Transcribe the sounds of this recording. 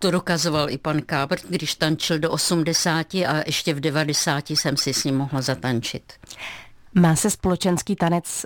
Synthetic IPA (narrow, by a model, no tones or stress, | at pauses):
t̪odokazo̞valʔɪpankaːbr̩t̪ɡdɪʃt̪ant͡ʃɪldo̞ʔosumdɛsaːcɪʔaʔɛʃcɛvdɛvadɛsaːcɪsɛmsɪsɲimːo̞ɦlazat̪ant͡ʃɪ̰t̪ | maːsɛspolɛt͡ʃɛnskiːt̪anɛt͡s